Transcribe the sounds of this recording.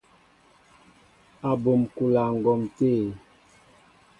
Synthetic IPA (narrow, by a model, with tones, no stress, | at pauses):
a˨bo˨mku˨la˨ŋ̩˨ɡɔ˨mte˦˨